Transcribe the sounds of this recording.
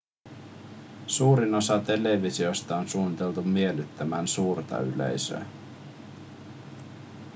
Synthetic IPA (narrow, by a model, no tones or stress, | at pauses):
suːɾino̞sɑt̪e̞le̞ʋisio̞st̪ɑonsuːnit̪e̞lt̪ummie̞lyt̪ːæmæːnsuːrt̪ɑ̰y̰le̞̰jsø̰ː